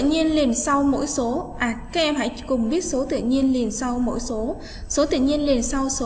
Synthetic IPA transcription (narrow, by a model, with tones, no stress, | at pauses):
ɲi˧ənli˨˩nsa˧wmo̰˧˥jso˨˦ʔaː˨˩kaː˦˥k̚ʔɛ˧mha̰˧˨jkʊ˨˩ŋ͡mɓi˦˥ət̚so˨˦t̪ɨ̰˧˨ɲi˧ənli˨˩ənsa˧wmo̰˧˥jso˨˦ | so˨˦t̪ɨ̰˧˨ɲi˧ənli˨˩nsa˧wso˨˦